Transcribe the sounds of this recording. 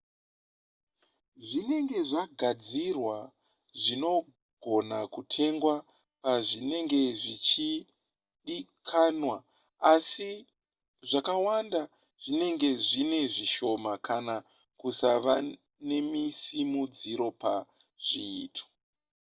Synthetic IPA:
ʐine̞ŋɡe̞ʐaɡʱad͡zirwa | ʐino̞ | ɡʱo̞nakutʰe̞ŋɡwa | paʐine̞ŋɡe̞ʐit͡ʃi | ɗikʰanwa | asi | ʐakawanda | ʐ̥ine̞ŋɡe̞ʐine̞ʐiʃo̞makʰana | kusaʋa | ne̞misimud͡ziɾo̞pa | ʐ̥ḭːtʰo̥

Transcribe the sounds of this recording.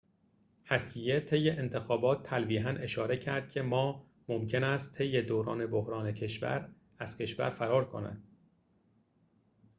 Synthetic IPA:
hæsije̞t̪ʰe̞jːe̞ʔent̪ʰe̞xɒːbɒːt̪ʰːælviːɦænʔe̞ʃɒːɾe̞cʰæɾd̪̚cʰe̞mɒː | momcʰenæst̪t̪ʰe̞jːe̞d̪oːɾɒ̰ːne̞bohɾɒːne̞cʰe̞ʃvæ̰ɾ | æz̥cʰe̞ʃvæ̰ɾfæɾɒːɾkʰo̞̰næ̰nd̪̥

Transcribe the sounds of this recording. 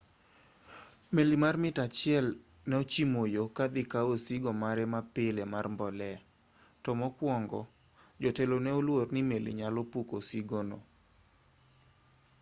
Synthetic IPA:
melimarmɪtat͡ʃɪɛl | nɛot͡ʃimojokad̪ɪkaosiɡɔmaɾɛmapelemarmbɔlɛ | tɔmɔkwɔŋɡɔ̰ | d͡ʒɔtelonɛolwornimelḭɲalɔpukosiɡono̰

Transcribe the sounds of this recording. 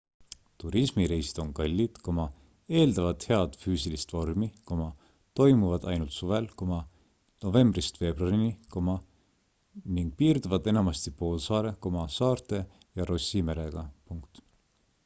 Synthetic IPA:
t̪uɾismiɾe̞jsi̥d̪̥o̞nkɑlʲːid̪̥ko̞mɑ | e̞ːld̪ɑvɑt̪he̞ɑd̪̥fyːsilist̪vo̞rmiko̞mɑ | t̪o̞jmuvɑd̪̥ɑ̰jnult̪suve̞lkomɑ | no̞ve̞mbrist̪ve̞ːbruɑriniko̞mɑ | niŋɡ̥̚piːrd̪uvɑd̪e̞nɑmɑst̪ipo̞ːlsɑːɾeko̞mɑsɑːrt̪e̞ | jɑɾo̞simeɾe̞ɡ̥ɑpuŋkt̪

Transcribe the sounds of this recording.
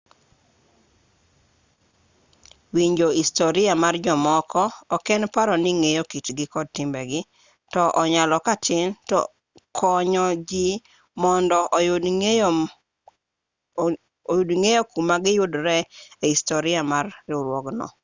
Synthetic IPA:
wiɲd͡ʒoistoɾɪamard͡ʒɔmɔkʰɔːkɛnpaɾɔnɪŋejokitɡɪkɔd̚tɪmbɛɡɪ | tɔʔɔɲalɔkatʰɪntɔ̰ | kʰɔɲɔd͡ʒi | mɔndɔ | ojudŋejokumaɡɪjʊdɾɛeistoɾɪamarɪɾwɔɡnɔ̰

